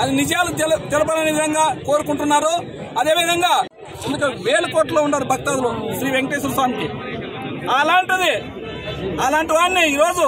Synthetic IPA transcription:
ɐd̪inid͡ʒjaːluɛlɐt̪ɛlɐp̬ɐnɐnɐʋid̪ʱɐŋɡaːko̞ːɾukuɳʈunːaːɾu | ɐd̪e̞ːʋid̪ʱɐŋɡaː | ind̪ukɐʋeːlɐkoːʈːɐloːuɳɖaːɾubʱɐkt̪aːd̪uluʃɾiːʋeŋkʈes̬uɾsaːmk̪i | ɐlaːɳʈid̪i | ɐlaːɳʈiʋaːnːiiːɾoːd͡ʒu

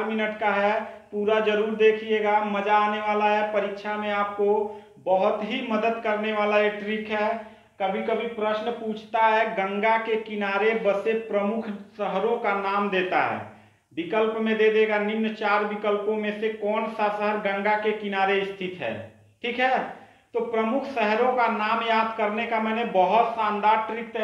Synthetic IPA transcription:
ɾminəʈkaɦɛpuɾad͡ʒəɾuɾd̪ekʰieɡaməd͡ʒaːneʋaːlaɦɛpəɾikʃʰamẽaːp̚ko | bəɦʊt̪ɦiməd̪əd̪kəɾneʋaːlaeʈɾikɦɛ | kəbʱikəbʱipɾəsnput͡ʃʰt̪aɦɛɡə̃ŋɡakekinaɾebəsepɾəmukʰsəɦɾõkanaːmd̪eːt̪a̰ɦɛ̰ː | bɪkəlpmẽd̪ed̪eːɡanɪmnt͡ʃaːɾbɪkəlpõmẽsekɔːnsasəɦəɾɡə̃ŋɡakekɪnaːɾeɪst̪ʰɪt̪ɦɛ̰ː | ʈʰiːkɦɛ | t̪opɾəmʊkʰsəɦɾõkanaːmjaːd̪kəɾnekamɛːnebəɦʊt̪sãːnd̪aːɾʈɾik̚t̪

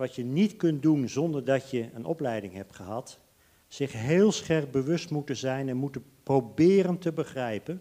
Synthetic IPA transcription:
ʋɑtjənitkɵntdunzɔndəɹdɑtjəənʔɔ̰plɛjdɪŋɦɛp̚tχəɦɑt | sɪχɦeːlˠsχɛɹk̚bəʋɵstmutəzɛjnɛnmutənprowbɪːrəntəbəχrɛjpən

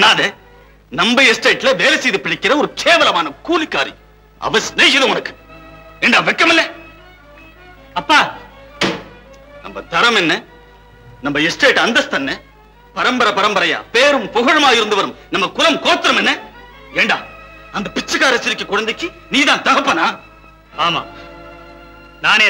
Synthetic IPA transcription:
naːðe | nɐmbɐɛsʈeːʈːlɐʋeːlɐsɛjðipɪɽɐkːɪɾɐɔɾɯkʰeːʋɐlɐmaːnɐkuːlikːaːɾḭ | ɐ̰ʋɐsneːɣɐðɐ̃ʊnɐkːɯ̥eːɳɖaːʋɛkːɐmɪlːɛ | ɐpːaː | nɐ̰mbɐ̰t̪ɐɾɐmɛnːɐ | nɐmbɐɪsʈeːʈɐnd̪ɐst̪ɐnːɛ | pɐɾɐmbɐɾɐpɐɾɐmbɐɾɐja̰ːpeːɾɯmpɔɣɐɻɐmaːjɪɾɯnd̪ɯʋɐɾɯmnɐmːɐkʊlɐmkoːt̪ːɪɾɐmɛnːɐ | eːɳɖa̰ːɐnd̪ɐpɪt͡ʃːɐkːaːɾɐsɪɾɪkːɐkʊɻɐnd̪ɐkʲːi | niːðãːnt̪ɐɣɐpːɐnaː | aːma̰ː | naːneː

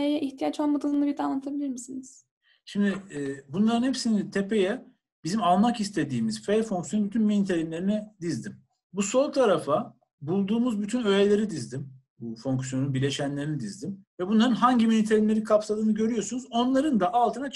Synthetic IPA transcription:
ejɛʔiçt̪ʰijat͡ʃanbɯd̪nɯnˠɯbiɾd̪anːˠat̪ʰabilʲiɾmisiniz̥ | ʃimd̪ɪɛːbunlˠaɾɯnhepsinit̪ʰe̞pe̞jɛ | bizimalˠmakist̪ʰe̞d̪iːmizfefo̞ŋksjonbyt̪ʰynminit̪ʰelʲimlʲe̞ɾinɛd̪izd̪im | buso̞lˠk̚t̪ʰaɾafa | bulˠd̪uːmuzbyt̪ʰynø̞jelʲe̞ɾid̪izd̪im | bufo̞ŋksjo̞nunbiɾlʲe̞ʃænlʲe̞ɾinid̪izd̪imvɛbunlˠaɾɯnɦaɲɟiminit̪ʰelʲinlʲe̞ɾikʰapsad̪ˠɯːnɯɟø̞ɾyjo̞sunuzo̞nlˠaɾɯnd̪aʔalˠt̪ʰɯna

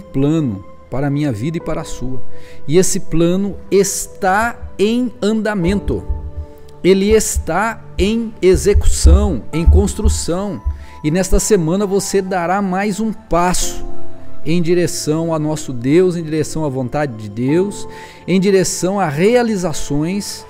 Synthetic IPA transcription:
plɐ̃nʊ̰ | paɾɐmĩɲɐvid̪ɐɪpaɾɐasuɐɪesɪplɐ̃nʊest̪aẽj̃ɐ̃nd̪amẽnt̪ʊ̰ | elɪest̪a | ẽj̃ezeku̥sɐ̃w̃ẽj̃kõst̪ɾusɐ̃w̃ | ɪnɛst̪ɐsemɐ̃nɐvosed̪aɾamajzũpasʊ̥ẽj̃d͡ʒiɾesɐ̃w̃awnɔsʊd̪ewzẽj̃d͡ʒiɾesɐ̃w̃avõnt̪ad͡ʒɪd͡ʒɪd̪ews | ẽj̃d͡ʒiɾesɐ̃w̃aʁealizasõj̃s

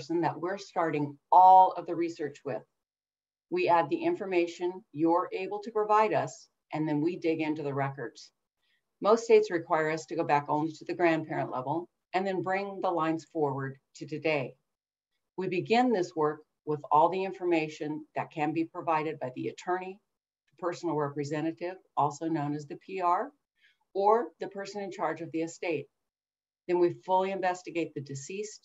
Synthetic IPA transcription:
sɨ̃nðəʔ̚wɪɹstɑɹɾɪ̃ŋɔlˠʌvðɨɹisɜ˞t͡ʃwɪ̰ð̥ | wiæd̪̚ðiʔɪ̃ɱfə˞meɪʃɨ̃njə˞ʔeɪbl̩ˠtʰɨpɹ̥ɨvaɪɾʌs | ʔɨ̃nðɨ̃nwidɪɡɪ̃ntʉðɨɹɛkə˞dz̥ | moʊststeɪtsɹɨkʰw̥aɪə˞ʌstʰɨɡoʊbækõʊ̃liɾɨðɨɡɹæ̃npʰɛɹɨ̃nʔlɛ̰vl̩ˠ | ɨ̃nðɨ̃nbɹɪ̃ŋðəlãɪ̃nz̥fɔɹwə˞d̚tʰɨtɨdeɪ | wibɨɡɪ̃nðɪswɜ˞k | wɪðɔlˠðiɪ̃ɱfə˞meɪʃɨ̃nðɨt̚kʰɨ̃nbipʰɹ̥ɨvaɪɾɨd̚baɪðiɨ̰tʰɜ̃˞ñi | ðəpʰɜ˞sn̩l̩ˠɹɛpɹɨzɛ̃ɾ̃ɨɾɪvɔlˠsoʊnõʊ̃nɨzðɨpʰiɑɹ | ə˞ðɨpʰɜ˞sɨ̃nɨ̃nt͡ʃʰɑɹd͡ʒʌvðiɨsteɪt̪̚ | ðɨ̃nwifʊlˠiɨ̃ɱvɛstɨɡeɪt̪̚ðɨdɨsist̚

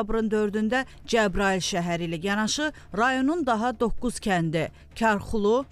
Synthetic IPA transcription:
bɾɯnd̪ø̞ɾd̪ynd̪æ | d͡ʒæbɾɑilʃæɦæɾiːlæjɑnɑʃɯ | ɾɑjo̞nund̪ɑɦɑd̪o̞kːuz̥cʲʰænd̪i | cʰɑɾχulˠu

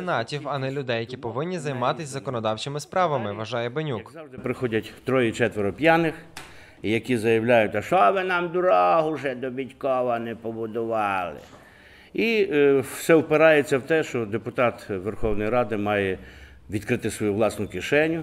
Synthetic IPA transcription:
enɑtʲiwɐnɛlʲʊd̪ɛjɐkʲipɔʋɪnʲːizɐjmɑt̪ɪsʲzɐkɔnɔd̪ɑwt͡ʃɪmɪspɾɑʋɐmɪʋɐʒɑjɛbenʲukzɑd̪ɪpɾɪxɔdʲɐtʲt̪ɾɔjit͡ʃɛt̪ʋeɾɔpʲjɑnɪx | jɐkʲizɐjɐwlʲajʊtʲɐʃɔʋɪnɑmd̪ʊɾɔɦʊʒɛd̪ɔbʲitʲkɔʋɐnɛpɔbʊd̪ʊʋɑlˠɪ̰ | iwsɛwpɪɾɑjet͡sʲːɐwt̪ɛʃt͡ʃɔd̪epʊt̪ɑt̪ʋerxɔwnɔjiɾɑd̪ɪmɑjɛ | ʋʲid̪kɾɪt̪ɪsʋɔjuʋlˠɑsnʊkɪʃɛnʲːʊ

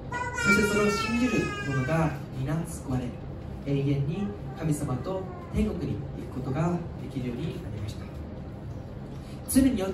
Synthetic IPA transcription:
so̞ɕi̥t̪e̞koɾeoɕiĩɲ̟d͡ʑiɾɯ̟mo̞no̞ɡaɲʲinãnsɨ̥koβaɾe̞ | ẽ̞ɰ̃ẽ̞ɲ̟ːi | kamʲisamat̪o̞ | t̪ẽ̞ŋɡo̞kɯ̟ɲ̟ḭikɯ̟̥ko̞t̪o̞ɡad̪e̞kʲiɾɯ̟jo̞ːɲ̟iaɾʲimaɕi̥t̪ḁ | t͡sɨmʲeɲ̟io

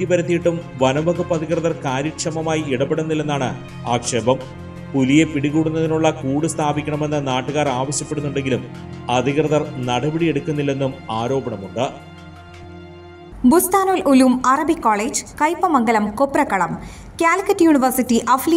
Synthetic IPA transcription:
t̪jibɐɾɐt̪ːijiʈːum | ʋɐnɐbɐɡupːɐd̪ʱiɣrɐðɐrkaːɾikʂɐmɐmaːjiiɽɐpːeɽunːilːenːaːɳɨ̰ | aːkʂeːbɐm | pulije̞piɽiɣuːɽunːɐðinuɭːɐkuːɽust̪ʰaːbikʲːɐɳɐme̞nːɐnaːʈːuɣaːraːʋɐɕjɐpːe̞ɽunːuɳɖe̞ŋɡilumɐd̪ʱiɣrɐðɐrnɐɽɐbɐɽijeɽukʲːunːilːe̞nːumaːɾo̞ːbɐɳɐmuɳɖɨ | bust̪aːnoːluluːmɐrɐbikːoːɭeːd͡ʑkɐjpːɐmɐŋɡɐlɐmkopːrɐkːɐɽɐm | kʲaːlkɐtːjuniʋɐrsitːiʔɐfli

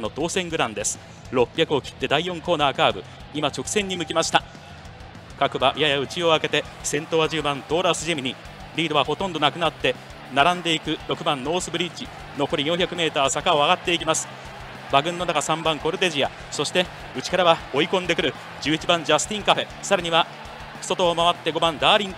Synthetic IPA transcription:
nːo̞t̪o̞ːsẽ̞ŋɡɯ̟ɾãnd̪e̞sɨ̥ | ɾo̞pʲːjakɯ̟o̞kʲi̥t̪ːe̞d̪aijõ̞ŋko̞ːnaːkaːbɯ̟ | imat͡ɕo̞kɯ̥sẽ̞ɲ̟ːimɯ̟kʲimaɕi̥t̪a | kakɯ̟baʔjajaɯ̟t͡ɕio̞ake̞t̪e̞ | sẽ̞nt̪o̞ːβaʑɨːbãnt̪o̞ːɾasɨʑemiɲ̟i | ɾʲiːd̪o̞βaho̞t̪õ̞nd̪o̞nakɯ̟nat̪ːe̞ | naɾãnd̪e̞ikɯ̟ɾo̞kɯ̟bãnːo̞ːsɨbɯɾʲit͡ɕi | no̞ko̞ɾʲijõçʲakɯ̟me̞ːt̪aːsakao̞aɡat̪ːe̞ikʲimasɨ̥ | baɡɯ̟̃nːo̞nakasãmbãŋko̞ɾɯ̟d̪e̞ʑija | so̞ɕi̥t̪e̞ | ɯ̟t͡ɕi̥kaɾaβao̞ikõnd̪e̞kɯɾɯ̟ | d͡ʑɨːit͡ɕibãɲ̟d͡ʑasɨ̥t̪ĩŋkaɸe̞ | saɾaɲ̟iβa | ɸɯ̥so̞t̪o̞ːmaβat̪ːe̞ɡo̞bãnd̪aːɾʲĩn

